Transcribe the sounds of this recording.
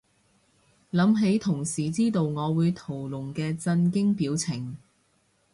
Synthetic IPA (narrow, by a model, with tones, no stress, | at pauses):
lɐ˨˥mɦe˨˥jt̪ʰʊ˨˩ŋsiː˨˩t͡siː˥t̪o˨˧wŋɔː˨˧wuː˨˧jt̪ʰo˨˩wlʊ˨˩ŋkɛː˧t͡sɐ˧nkɪ˥ŋpiː˨˥wt͡sʰɪ˨˩ŋ